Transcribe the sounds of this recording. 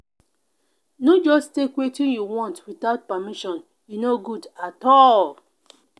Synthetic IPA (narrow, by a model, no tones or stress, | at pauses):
nod͡ʒɔstekwetĩnjuwɔ̃ntwiθaʊt̚pamiʃɔ̃n | junoɡudatɔl